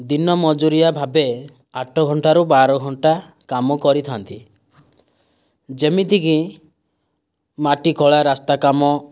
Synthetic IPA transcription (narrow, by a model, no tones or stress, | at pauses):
d̪inɔmɔd͡ʒuɾijabʱabe | aʈʰɔɡʱɔɳʈaɾubaɾɔɡʱɔɳʈa | kamɔkɔɾit̪ʰant̪i | d͡ʒemit̪iki | maʈikʰɔɭaɾast̪akamɔ